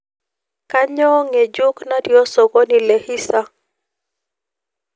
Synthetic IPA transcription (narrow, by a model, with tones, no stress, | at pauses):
ka˦ɲɔ˦ŋe˨d͡ʒʊ˦kna˦djo˦so˨ɡo˦ni˨le˨hi˦sa˦